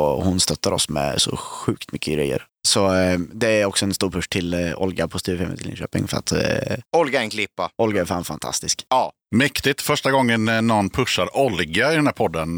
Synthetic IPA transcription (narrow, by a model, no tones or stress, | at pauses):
ɔhʊnst̪œt̪ːaɾɔ̰smɛ̰sɔ̰ɧʉ̟ːkt̪mʏkʰːəɡɾɛ̰jːə̰ɾ | sɔd̪ɛæɾɔksɔɛnst̪uːɾpʰɵʂt̪ʰɪlɔ̰lɡapʰɔst̪ʰʉːɾfɛmə̰t̪ʰɪlɪ̰nɕø̰ːpɪ̰ŋfœɾa̰t̪ɔlɡaɛnkʰlɪpːaɔlɡaæɾfa̰ːnfant̪ʰa̰st̪ɪskɑː | mɛkt̪ɪt̪fœʂʈaɡɔŋːənnɔnːpʰɵʂːaɾɔlɡaɪd̪ɛnæːɾpʰɔd̪ːən